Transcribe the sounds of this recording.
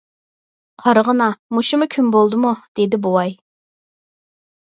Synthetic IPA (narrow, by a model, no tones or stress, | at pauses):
qʰɑɾʁənɑmuʃumʊkʲʰynbolˠd̪ɨmud̪̥ed̪ɪbuwɑj